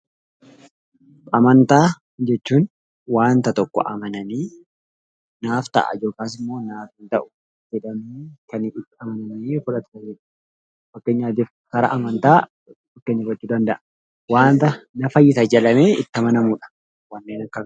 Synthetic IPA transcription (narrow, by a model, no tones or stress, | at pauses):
ɐmɐnt̪aː | d͡ʒɛt͡ʃːuːn | waːnt̪ɐt̪ɔkːɔ̰ʔɐmɐnɐniː | naːft̪ɐ̰ʔɐ̰d͡ʒo̞ːkaːs̬ɪmːo̞ːnaːfɪnt̪ɐʔʊ̥ | d͡ʒɛᶑɐmiːkɐnɪt̪ːɪɐmɐnɐniːfʊᶑɐt̪ɐɛᶑ | fɐkːe̞ːɲːaːt̪̬if | kɐɾɐʔɐmɐnt̪aː | fɐkːeːɲːɐbɐt͡ʃːuːd̪ɐnd̪ɐʔɐ | waːnt̪ɐnɐfɐjːɪt̪ɐd͡ʒɐlɐmeːɪ̰t̪ːɐmɐnɐmuːᶑɐ̥ | wɐnːeːnɐkːɐ